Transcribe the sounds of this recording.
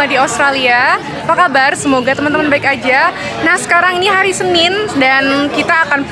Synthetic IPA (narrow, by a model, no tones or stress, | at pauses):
adiost̪ɾalia | pakabarsəmoɡat̪əmant̪əmənbaɪkad͡ʒa | nahsə̥kaɾaŋiniɦaɾisənɪndankit̪aːkan